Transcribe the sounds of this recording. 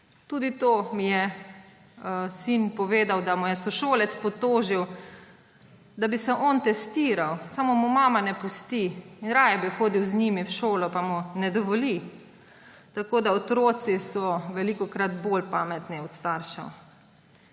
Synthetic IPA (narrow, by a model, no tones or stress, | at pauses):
t̪uːd̪it̪oːmijɛ | sinpɔʋeːd̪awd̪amujɛsɔʃoːlɛt̪spɔt̪oːʒiw | d̪abisɛʔɔnt̪ɛst̪iːɾawsamomumaːmanɛpust̪iːnɾaːjɛbixoːd̪iwznimiwʃoːlɔpamunɛd̪ɔʋɔli | t̪akoːd̪aɔt̪ɾoːt̪sisɔʋɛlikɔkɾat̪bolpaːmɛt̪niɔt̪st̪aːɾʃa̰w